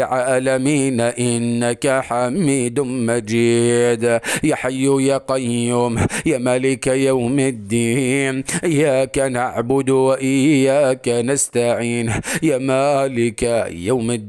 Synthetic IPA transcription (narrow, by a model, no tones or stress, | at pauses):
ʕaːlamiːnʔɪnːakaħamːiːd̪ʊmad͡ʒiːd̪jaħajːʊjaqɑjʊmjaːmaːlɪkajawmad̪ːiːnʔɪjaːkanʔaʕbʊd̪waʔɪjaːkanast̪aʕiːnjaːmalɪkajawma